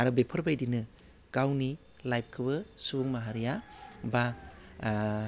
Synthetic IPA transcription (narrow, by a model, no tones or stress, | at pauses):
aɾɯbepʰɐɾbajdinɯ | ɡ̥awni | lajb̚kʰɯbɯsubuŋmaɦaɾijaba